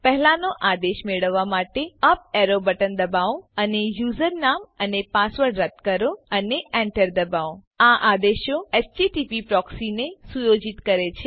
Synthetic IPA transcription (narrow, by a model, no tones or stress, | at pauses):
pəɦlanoʔad̪eʃmeɭəʋːamaʈeəp̚eɾobəʈənd̪əbaoənejuzəɾnamənepasʋəɾɖɾət̪kəɾoəneʔɛɳʈəɾd̪əbao | aʔad̪eʃoest͡ʃiʈipipɾɔksinesujod͡ʒit̪kəɾet͡ʃʰe